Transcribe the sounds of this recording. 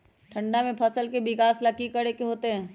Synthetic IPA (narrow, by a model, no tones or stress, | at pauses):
ʈʰɐ̃ɳɖamẽpʰɐsəlkebɪkaːslakikəɽekeɦoːt̪eɦɛ̃ː